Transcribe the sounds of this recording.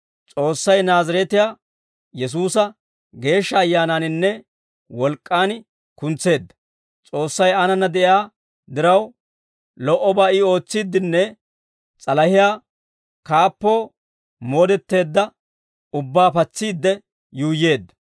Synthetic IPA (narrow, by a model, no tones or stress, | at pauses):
t͡sʼo̞ːsːɐjnaːzɐɾɛt̪ɪjaː | jɛs̬uːsɐ | ɡe̞ːʃːɐːjːaːnaːnɪnːɛ | wɔlkʼːaːn | kʊnt͡sːe̞ːd̪ːɐ̥ | t͡sʼo̞ːsːɐjɐnɐnːɐd̪ɛʔjaː | d̪ɪɾɐw | lɔʔɔbaːɪo̞ːt͡sːiːd̪ːɪnːɛ | t͡sʼɐlɐhɪjaː | kaːpːo̞ː | mo̞ːd̪ɛt̪ːe̞ːd̪ːɐ | ʊbːaːpɐt͡sːiːd̪ːɛ | juːjːe̞ːd̪ːɐ̥